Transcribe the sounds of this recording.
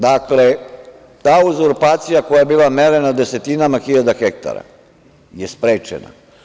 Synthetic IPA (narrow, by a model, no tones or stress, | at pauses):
d̪akle | t̪aːuzuɾpaːt̪sijako̞jaebiːlˠameɾe̞nad̪ese̞t̪inamaxiʎad̪axek̚t̪a̰ɾa̰ | jespɾeːt͡ʃḛna̰